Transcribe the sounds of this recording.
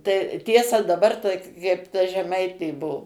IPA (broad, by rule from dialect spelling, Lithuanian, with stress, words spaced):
tɐɪ ˈtʲiɛsɐ dɐbɐr tɐ kɐɪp tɐ ʒʲɛˈmɐɪtʲeː ˈbuɔ